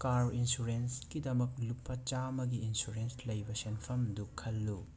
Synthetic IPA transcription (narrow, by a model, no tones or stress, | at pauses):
kaɾinsuɾenskidɐmɐk̚lupʰːɐt͡ʃamɐɡiːnsuɾenslɐjbɐsenpʰɐmdukʰɐlːu